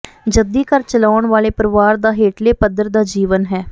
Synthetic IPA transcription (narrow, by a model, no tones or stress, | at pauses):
d͡ʒəd̪iːkəɾt͡ʃəlaːʊɳʋaːleːpəɾɪʋaːɾd̪aːɦeːʈleːpəd̪əɾd̪aːd͡ʒiːʋənɦɛː